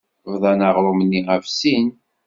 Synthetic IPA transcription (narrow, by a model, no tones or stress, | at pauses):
vðˤɑnɑʁɾˤomnːiʁævsin